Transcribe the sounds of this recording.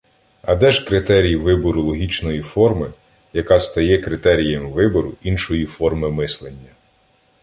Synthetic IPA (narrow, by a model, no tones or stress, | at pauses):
ɐd̪ɛʒkɾɪt̪ɛɾʲijʋɪbɔɾʊlˠɔɦʲit͡ʃnɔjifɔrmɪ | jɐkɑst̪ɐjɛkɾɪt̪ɛɾʲijɐmʋɪbɔɾʊinʃɔjifɔrmɪmɪslˠenʲːɐ